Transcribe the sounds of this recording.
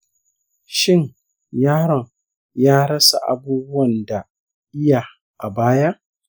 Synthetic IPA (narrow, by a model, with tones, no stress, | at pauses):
ʃɪ˦ɲ | jaː˦ɽɔ˨ŋ | jaː˦ɽɐ˦sa̰˨ʔa̰˨buː˦bʊ˦wɐ˨nda˨ | ʔɪ˦ja˨ | ʔa˨baː˦ja˦ʔ